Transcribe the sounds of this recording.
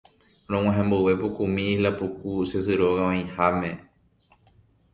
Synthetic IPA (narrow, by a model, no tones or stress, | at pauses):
ɾ̃õŋ̃ãɦẽmbɨwe̞pokumĩilapukusesɨɾoɣaʋãj̃hamẽ